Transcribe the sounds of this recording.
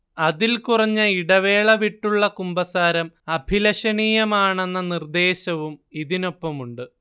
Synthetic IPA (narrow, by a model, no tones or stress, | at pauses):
ɐðilkurɐɲːɐiɽɐʋe̞ːɭɐʋiʈːuɭːɐkumbɐsaːɾɐmɐbʱilɐɕɐniːjɐmaːɳe̞nːɐnird̪e̞ːɕɐʋumiðino̞pːɐmuɳɖɨ